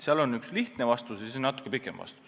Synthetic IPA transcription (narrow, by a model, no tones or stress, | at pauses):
seɑlonːyksliht̪nevɑst̪usjsonɑt̪ːˑu̥kːˑepikːˑemvɑ̰st̪u̥s